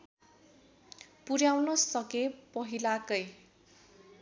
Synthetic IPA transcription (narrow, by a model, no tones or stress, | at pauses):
puɾjawnʌsʌkepʌɦilakʌj